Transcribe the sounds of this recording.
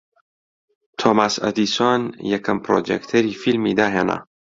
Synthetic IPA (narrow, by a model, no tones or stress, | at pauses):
t̪ʰoːmasɐ̰d̪iːswaːnjɛkʰɐmpɾoːd͡ʒḛkt̪ʰɐɾifilmid̪aːɦeːnɐ̰